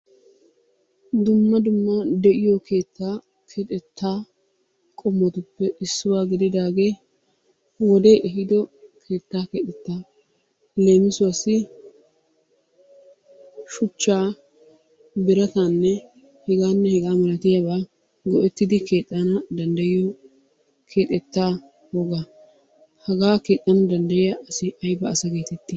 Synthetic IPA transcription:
d̪ʊmːɐd̪ʊmːɐd̪ɛʔɪjɔkʰe̞ːt̪ːaː | kʰet̪ʼɛt̪ʰːaː | kʼɔmːɔt̪ʊpːɛʔɪsːʊwaːɡɪd̪ɪd̪aːɡe̞ː | wɔd̪eːʔɛɦɪd̪ɔkʰe̞ːt̪ːaːket̪ʼɛt̪ːa | le̞ːmɪsʊwɐsɪ | ʃʊt͡ʃːaː | bɪɾɐt̪aːnːɛ | hɛɡaːnːɛhɛɡaːmɐlɐt̪ɪjabaː | ɡɔʔɛt̪ːɪd̪ɪkeːt̪ʼːɐnɐd̪ɐnd̪ɐjɪjo | kʰeːt̪ʼːɛt̪ːaː | wɔɡa | hɐɡaːke̞ːt̪ʼːɐnɐd̪ɐnd̪ɐjɪjɐʔɐsɪʔɐjbɐːsɐɡe̞ːt̪ɛt̪ːɪ

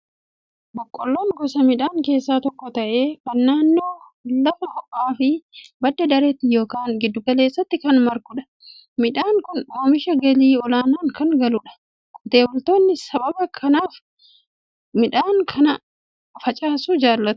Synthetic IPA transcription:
bɔkʼːɔlːoːŋɡɔsɐmɪᶑaːŋke̞ːsːaːt̪ɔkːɔt̪ɐʔe̞ːkɐnːaːnːo̞ː | lɐfɐhɔʔʼaːfɪbɐd̪ːɐd̪ɐɾeːt̪ːɪjo̞ːkaːŋɡɪd̪ːʊkɐle̞ːsːɐt̪ːɪkɐnmɐɾkʊᶑɐ̥ | mɪᶑaːŋkʊnoːmɪʃɐɡɐliːɔlaːnaːŋkɐŋɡɐlʊᶑɐ̥ | kʼʊt̪e̞ːbɔlt̪o̞ːnːɪsɐbɐbɐkʰɐnaːf | mɪᶑaːŋkʰɐnɐ | fɐt͡ʃʼaːsud͡ʒaːlːɐt̪ʊ̥

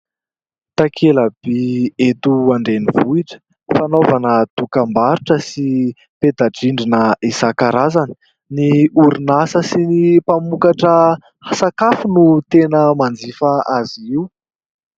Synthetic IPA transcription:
t̪akʰeləb̥iet̪uaɳɖ͡ʐenivuiʈ͡ʂə̥ | fanovanət̪ukambaɾuʈ͡ʂəsi | ped̪aɖ͡ʐiɳɖ͡ʐinəisakaɾazani̥ | niuɾinasəsinipamukaʈ͡ʂə | hasakafunut̪enəmand͡zifaaziiw

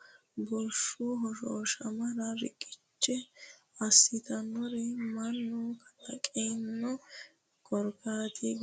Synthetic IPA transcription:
bɔɾʃuɦɔʃoʃɐmɐɾɐɾɪ̰kʼɪ̥t͡ʃːɛ | ɐsːɪt̪ɐnːɔɾɛmɐnːʊkʰɐ̥t̪ʼːɐkʼɛjnːɔ | kʼɔɾɡaːt̪ʰiɡ

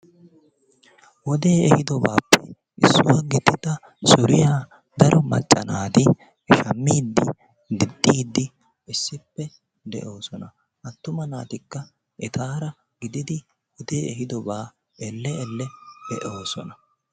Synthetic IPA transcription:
wɔd̪e̞ːɛhɪd̪ɔbaːpːɛ | ʔɪsːʊwaːɡɪd̪ːɪd̪ɐ | sʊɾɪja | d̪ɐɾʔɔmɐ̰t͡ʃʼːɐnaːt̪ɪ | ʃɐmːiːd̪ːɪ | d̪ɪd̪ːiːd̪ːɪ | ɪsːɪpːɛ | d̪ɛʔo̞ːsɔnɐ | ʔɐt̪ːʊmɐnaːt̪ɪkːɐ | ʔɛt̪aːɾɐ | ɡɪd̪ɪd̪ɪ | wɔd̪e̞ːɛhɪd̪ɔbaː | ɛlːɛɛlːɛd̪ɛʔo̞ːsɔnɐ

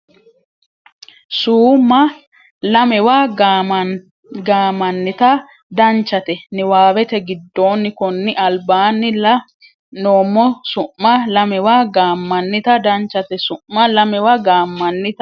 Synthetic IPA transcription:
suːmːɐ | lɐmɛwaː | ɡaːmːɐnːɪt̪ɐ | d̪ɐnt͡ʃːɐt̪ɛnɪwaːwɛt̪ɛɡɪd̪ːo̞ːnːɪkɔnːɪʔɐlbaːnːɪlɐ | noːmːɔsʊʔːɐlɐmɛwaːɡaːmːɐnːɪt̪ɐd̪ɐnt͡ʃːɐt̪ɛsʊʔːɐlɐmɛwaɡaːmːɐnːɪt̪

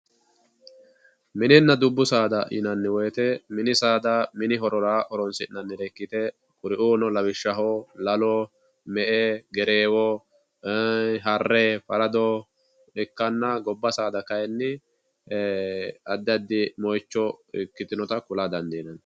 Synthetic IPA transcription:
mɪnɪnːɐd̪ʊbːʊsaːd̪ɐʔɪ̰nɐnːɪwɔjt̪ɛmɪnɪsaːd̪ɐmɪnɪɦɔɾɔɾaːʔɔɾɔnsɪnːɐnːɪɾɛkːɪt̪ɛ | kʼʊɾɪʔuːnɔlɐwɪʃːɐɦolɐlɔ | mɛʔeɡɛɾeːwɔ | ɦɐrːefɐɾɐd̪ɔ | ᶑɪkːɐnːɐɡɔbːɐsaːd̪ɐkɐjɛnːɪ | ɐd̪ɐd̪ːɪmɔjt͡ʃːɔɪ̰kːɪt̪ɪnɔt̪ɐkʊlaːd̪ɐnd̪iːnɐn

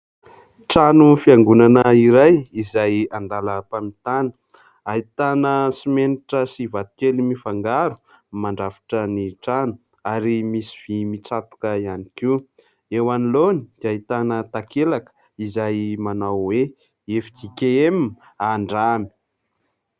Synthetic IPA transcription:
ʈ͡ʂanufiaŋɡunanəiɾajizajand̪aləpamit̪anə̥ | ait̪anəsimeniʈ͡ʂəsivat̪u̥kelimifaŋɡaɾu̥ | maɳɖ͡ʐafḁʈ͡ʂəniʈ͡ʂanu | aɾimisi̥v̥imit͡sat̪u̥kəianikiw | ewanilonid̪̥aɦit̪anət̪akʰelakə̥ | izajmanawwe | efi̥t̪ikeem | aɳɖ͡ʐami̥

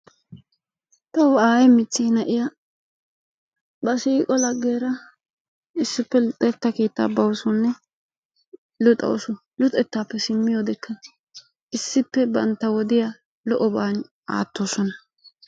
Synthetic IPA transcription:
t̪ɐwaːjɛmɪt͡sːiːnɐʔɪjɐ | bɐsiːkʼɔlɐɡːeːɾɐ | ɪsːɪpːɛlʊt̪ʼɛt̪ːɐke̞ːt̪ːa̰ːbɐwʊsʊnːɛ | lʊt̪ʼɐ̰wsʊ | lʊt̪ʼɛt̪ːaːpːɛsɪmːɪjoːd̪ɛkːɐ | ɪsːɪpːɛbɐ̰nt̪ːɐwɔd̪ɪja | lɔʔɔbaːn | a̰ːt̪ːoːsɔnɐ

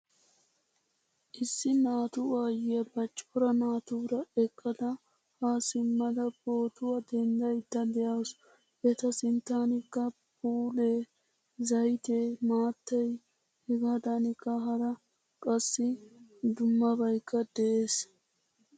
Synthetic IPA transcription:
ʔɪsːɪnaːt̪uwaːjɪjɐbɐt͡ʃʼːɔɾɐnaːt̪uːɾɐɛkʼːɐd̪ɐ | haːsɪmːɐd̪ɐbo̞ːt̪ʊwɐd̪ɛnd̪ɐjt̪ːɐd̪ɛjas | ʔɛt̪ɐsɪnt̪ːaːnɪkːɐ | puːleː | zɐjt̪eːmaːt̪ːɐj | hɛɡaːd̪anɪkːɐɦɐɾɐ | kʼɐsːɪd̪ʊmːɐbɐjkːɐd̪ɛʔeːs

